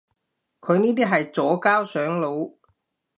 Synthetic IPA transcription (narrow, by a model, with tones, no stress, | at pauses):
kʰɵ˨˧ɥniː˥t̪iː˥ɦɐ˨jt͡sɔː˨˥kaː˥wsœː˨˥ŋlo˨˧w